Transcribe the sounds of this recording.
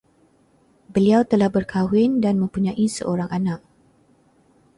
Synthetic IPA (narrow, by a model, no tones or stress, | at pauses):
bəliawt̪əlahbərkʰawɪndanmə̃mpuɲãʔisə̰ʔoɾaŋanak̚